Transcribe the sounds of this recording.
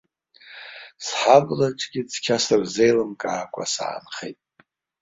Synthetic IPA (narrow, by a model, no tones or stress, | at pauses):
sħablaʈ͡ʂʼɡʲɪd͡zʰkʲʰasɨrzejlɨmkʼaːkʷʼa̰sa̰ːnχḛjtʼ